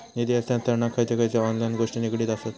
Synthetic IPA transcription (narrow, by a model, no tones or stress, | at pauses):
nid̪iast̪ãnt̪əɾɳakʰːajt͡ɕekajt͡seɔnlajnɡoʂʈinikɽiːt̪asat̪